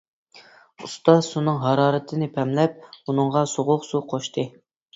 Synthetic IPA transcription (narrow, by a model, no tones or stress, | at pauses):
ust̪ɑsunɨŋɦɑɾɑːɾɨt̪ʰɨnɪpʰɛmlɛp̚unɨŋʁɑsoʁʊqsuqʰoʃt̪ʰɨ